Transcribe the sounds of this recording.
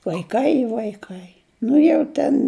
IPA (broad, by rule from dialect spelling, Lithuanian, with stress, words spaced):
ʋɐɪˈkɐɪ ɪ ʋɐɪˈkɐɪ ˈnʊ jɛʊ ˈtʲɛn